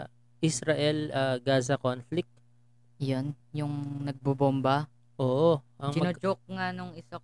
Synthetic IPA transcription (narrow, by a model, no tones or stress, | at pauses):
ʔisɾɐʔɛlɐɡaːzɐkonflɪk̚t̪̚ | jon | jʊŋnɐɡ̚bobombɐ | ʔoːʔoʔɐŋɪnod͡ʒok̚ŋanoŋɪsa